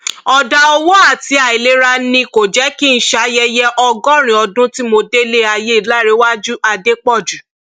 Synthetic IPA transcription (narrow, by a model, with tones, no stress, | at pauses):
ɔ˧da˧ɔ˧wɔ˦a˦˨ti˨˦a˦˨i˨le˨˦ɾa˦˧˦nĩ˧ko˨d͡ʒɛ˨˦ki˦n̩˦ʃa˨˦jɛ˧jɛ˦ʔɔ˧ɡɔ̃˦˨ɾ̃ĩ˨ɔ˧dũ˦ti˦mo˧de˦le˦a˧je˦i˨la˦˨ɾe˨˦wa˦d͡ʒu˦a˧de˦k͡pɔ˦˨d͡ʒu˨